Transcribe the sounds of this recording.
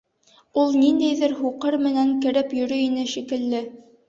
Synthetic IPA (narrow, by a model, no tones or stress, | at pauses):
ulˠnind̪æjðɘɾɦuqɤɾmɘ̆næŋkɘ̆ɾɘpjɵ̆ɾɵinɘʃikɘ̆lːɘ